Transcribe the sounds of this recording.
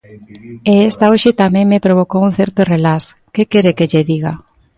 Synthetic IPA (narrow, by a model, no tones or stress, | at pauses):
eest̪aoʃet̪amẽŋmepɾoβokounθɛɾt̪orelaskekeɾekeʎeðiɣa